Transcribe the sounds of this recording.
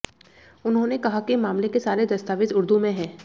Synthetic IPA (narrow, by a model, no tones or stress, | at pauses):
ʊnɦõnekɐɦakimaːmlekesaːɾed̪ɐst̪aːʋɪd̪ʊɾd̪umẽɦɛ̃ː